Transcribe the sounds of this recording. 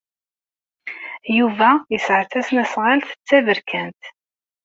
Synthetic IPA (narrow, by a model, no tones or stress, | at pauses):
juvæjəsʕθæsnæsʁalθə̥t͡sːæðəɾkʰænt̪